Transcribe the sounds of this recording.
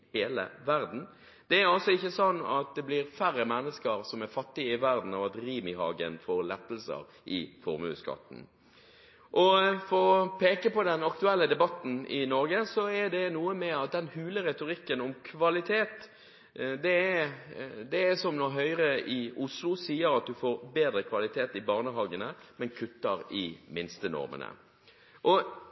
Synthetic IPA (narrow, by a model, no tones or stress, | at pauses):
heːlə̰ʋæɾd̪n̩ | d̪̥ɛæɾɑlsɔɪçːəsɑnːɑ̰t̪̚d̪ɛblɪɾfæɾːəmɛnːəskəɾsɔmæɾfɑt̪ːɪəɪʋæɾd̪n̩ɑʋɑt̪ɾiːmɪhɑ̰ːɡə̰nfɔɾlɛt̪ːəlsə̰ɾ | ʔɪfɔ̰ɾmʉ̰sɡɑ̰t̪n̩ | ʔɔfɔɾɔpʰeːkəpɔd̪ɛnɑkt̪ʉɛlːəd̪ɛbɑt̪ːn̩ɪnɔɾɡəsɔɛd̪ɛnuːəmɛɑt̪̚d̪ɛnhʉːləʁɛt̪ʊɾɪkːənɔmkʰʋɑlɪt̪ʰeːt̪ | d̪ɛæ | d̪ɛːsɔmnɔɦœʏʁəɪʊslʊsiːəɾɑt̪̚d̪ʉfoːɾbeːd̪ɾəkʰʋɑlɪt̪ʰeːt̪ɪbɑːʁnəɦɑːɡənəmɛnkʰʉt̪ːəɾɪmɪnst̪ənɔ̰ɾmə̰nə̰ | ʔɔ